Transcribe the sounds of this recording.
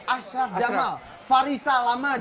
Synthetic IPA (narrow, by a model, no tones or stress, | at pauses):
aʃafd͡ʒamal | faɾisalama